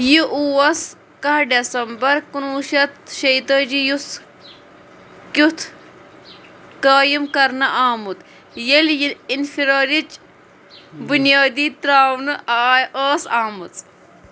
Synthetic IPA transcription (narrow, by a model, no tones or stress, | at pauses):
jiʔuwɐs | kɐɦɖesɐmbɐɾkunuːʃɐt̪ʃɐjt̪ɐːd͡ʒijus | kʲut̪ʰ | kaːjimkɐɾnɐʔaːmut̪ | jeljiinfiɾoːɾit͡ʃ | bunjaːd̪iːt̪ɾaːwnɨʔaːəːsaːmut͡s